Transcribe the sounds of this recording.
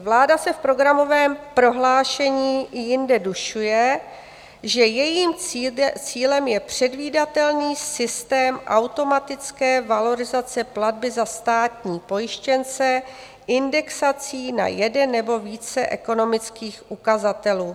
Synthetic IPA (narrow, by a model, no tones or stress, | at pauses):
vlaːdasɛfpɾo̞ɡɾamo̞vɛːmpɾo̞ɦlaːʃɛɲiːɪjɪndɛduʃujɛ | ʒɛjɛjiːmt͡siːlɛmjɛpr̝̥ɛdviːdat̪ɛlniːsɪst̪ɛːmʔawt̪o̞mat̪ɪt͡skɛːvalo̞ɾɪzat͡sɛpladbɪzast̪aːt̪ɲiːpo̞jɪʃcɛnt͡sɛ | ʔɪndɛksat͡siːna̰jɛdɛnːɛbo̞viːt͡sɛʔɛ̰ko̞no̞mɪt͡skiːxʔukazat̪ɛluː